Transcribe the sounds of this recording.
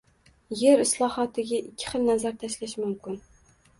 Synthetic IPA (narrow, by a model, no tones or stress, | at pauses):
jeɾɪslˠɒhɒt̪ʰɪɡʲaʔɪkʲʰːɪ̥χɨlˠnazaɾt̪ʰaʃlaʃɪmʊmkʲɪn